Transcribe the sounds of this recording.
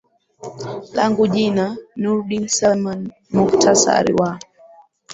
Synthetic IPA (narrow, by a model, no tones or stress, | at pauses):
laŋɡuʄinanuɾɗinsaman | muktʰasa̰ɾḭwa